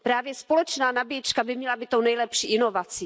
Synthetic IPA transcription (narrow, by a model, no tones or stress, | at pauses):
pɾaːvjɛspo̞lɛt͡ʃnaːnabɪjɛt͡ʃkabɪmɲɛlabɪt̪ownɛjlɛpʃiːʔɪno̞vat͡si